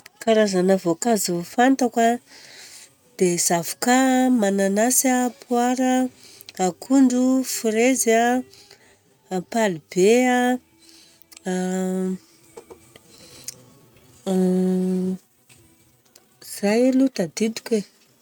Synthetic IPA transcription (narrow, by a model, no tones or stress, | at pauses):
kaɾazanavokazufant̪akʷa | d̪̥ez̥avu̥kamananasapʰwaɾə | akʰuɳɖ͡ʐufuɾeza | apalib̥ea | z̥ajlut̪ad̪id̪u̥kʲwe